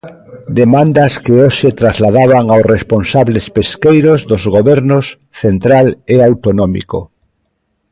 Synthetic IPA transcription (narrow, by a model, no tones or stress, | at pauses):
d̪emãnd̪askeoʃet̪ɾazlaðaβaŋawsresponsaβlespeskejɾozðozɣoβeɾnos | θent̪ɾaleawt̪onõmḭko